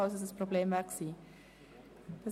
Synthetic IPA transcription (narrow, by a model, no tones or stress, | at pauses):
œwsəsəsprobleːmvæksi | d̥ə